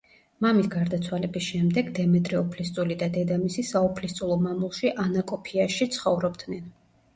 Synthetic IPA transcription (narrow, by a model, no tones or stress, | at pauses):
mamisɡaɾd̪at̪sʰwalɛbisʃɛmd̪ɛɡd̪ɛmɛt̪ʼɾɛɔpʰlist̪sʼulid̪ad̪ɛd̪amisisaɔpʰlist̪ʼulˠɔmamulˠʃiʔanakʼɔpʰiaʃit̪sʰχɔvɾɔbd̪nɛn